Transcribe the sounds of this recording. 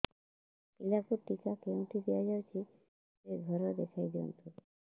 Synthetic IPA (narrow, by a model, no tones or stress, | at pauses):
kilakuɾʈikakew̃ʈʰid̪ijad͡ʒawt͡ʃʰi | seɡʱɔɾɔd̪ekʰajd̪iɔ̰nt̪u